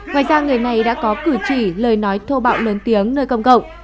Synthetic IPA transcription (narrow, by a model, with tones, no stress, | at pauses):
ŋwaː˧˨jzaː˧ŋɨ˨˩əjna˨˩jɗa̰ː˧˥kɔ˨˦kɨ˧˩t͡ɕḭ˧˩ləː˨˩jnɔ˨˦jt̪ʰo˧ɓa̰ː˧˨wlə˨˦nt̪i˨˦əŋnəː˧jkə˧wŋ͡mkə̰˧˨wŋ͡m